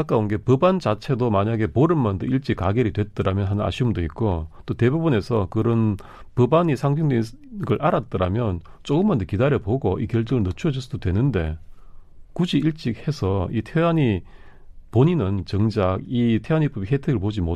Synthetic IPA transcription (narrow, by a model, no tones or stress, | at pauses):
kak͈aunɡe̞pɯbant͡ɕat͡ɕʰe̞domaɲaɡe̞poɾɯnmandoiɭt͡ɕ͈ikaɡeɾidwe̞t̚t͈ɯɾamjʌnɦanɯna̰ɕʰiumdoit̚k͈ot͈ote̞bubune̞sʰʌkɯɾʌn | pɯbaɲisʰaŋd͡ʑʰeŋde | ɡɯɭʔaɾat̚t͈ɯɾamjʌnt͡ɕ͈oɡɯmːand̪okidaɾjʌpoɡoʔikjʌɭt͡ɕ͈ɯŋɯɭnɯt͡ɕʰuʌd͡ʑɯs͈ʰɯdodwe̞nɯnde̞̰ | kud͡ʑiiɭt͡ɕ͈ik̚he̞sʰʌitʰeaɲi | poɲinɯnt͡ɕʌŋd͡ʑak̚itʰewaɲip͈ubiɦetʰɯɡɯɭpod͡ʑimo